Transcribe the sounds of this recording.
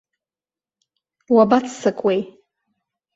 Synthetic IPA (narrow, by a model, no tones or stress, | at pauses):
wabat͡sʰsɨkʼwej